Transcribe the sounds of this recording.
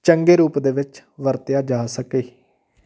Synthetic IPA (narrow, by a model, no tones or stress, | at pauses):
t͡ʃəŋɡeːɾuːpd̪eːʋɪt͡ʃʋəɾt̪ɪjaːd͡ʒaːsəkeː